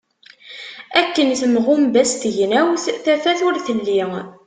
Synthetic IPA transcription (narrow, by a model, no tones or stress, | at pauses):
ækːənθəmʁʊmbæst̪əʝnæwθθæfæθʊɾθəlːi